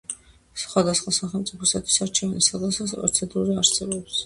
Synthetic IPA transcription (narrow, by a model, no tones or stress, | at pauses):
sχwad̪asχwasaχɛlmt̪sʼipʰɔsat̪ʰwi̥saɾt͡ʃʰɛvnisad̪asasɛ̰ɾt̪sʰɛd̪uɾiaɾsɛbɔps